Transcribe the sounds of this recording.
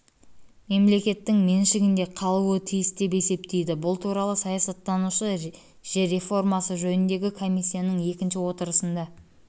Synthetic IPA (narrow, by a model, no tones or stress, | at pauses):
me̞mle̞kʲe̞t̪ːɪŋme̞nʃɪɡʲɪnd̪e̞qʰɑlˠuət̪ʰijɪsd̪e̞pe̞se̞p̚t̪e̞jd̪ɪbʊlˠt̪ʰuɾɑlˠəsɑjɑsɑt̪ːɑnuʃə | ʒeɾe̞fo̞rmɑsəʒɵnɪnd̪e̞ɡʲɪkʰo̞mʲisʲːijanəɴe̞kʲɪnʃɪwo̞t̪əɾəsənd̪ɑ